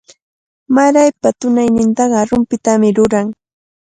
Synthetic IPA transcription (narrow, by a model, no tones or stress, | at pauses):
maɾajpat̪ʊnajnɪnt̪ɑɢɑɾʊmpɪt̪amɪɾʊɾaŋ